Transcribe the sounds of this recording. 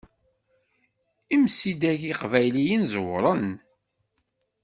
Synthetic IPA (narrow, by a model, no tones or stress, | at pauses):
imsid̪æʝiqvæjlijinzəwɾˤən